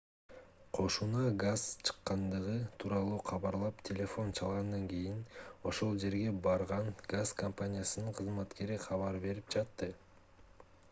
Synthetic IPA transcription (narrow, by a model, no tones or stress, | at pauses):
qʰo̞ʃunɑɡaz̥t͡ʃʰɯ̥qːɑnd̪ɯʁɯt̪ʰuːɾɑlˠuːqʰɑβɑɾlˠɑpt̪ʲʰe̞lʲe̞fo̞nt͡ʃʰɑlˠʁɑnd̪ɑŋkijino̞ʃo̞lˠd͡ʒe̞ɾɡe̞bɑɾʁɑnɡazkɐmpanʲijasɯnɯɴqʰɯzmɑt̪ke̞ɾiqʰɑβɑɾbe̞ɾip̚d͡ʒɑt̪ːɯ